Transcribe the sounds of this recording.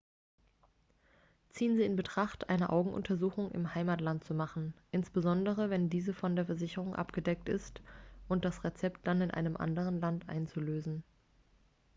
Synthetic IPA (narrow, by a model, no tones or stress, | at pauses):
t͡siːənziːɪnbətʁ̥aχtʔa̰ɪnəʔa̰ʊɡŋ̩ʔʊ̰ntʰɐzuːxʊŋʔɪ̰mhaɪmaːtlant̚t͡sumaχn̩ʔɪnsb̥əzɔndəʁəvɛndiːzəfɔndeːɐfɛɐzɪçəʁ̞ʊŋʔa̰pɡ̥ədɛk̚tɪ̰stʔʊnt̚d̥asʁet͡sɛpt̚d̥anɪnʔa̰ɪnəmʔa̰ndəʁ̞ənlantʔa̰ɪnt͡suløːzn̩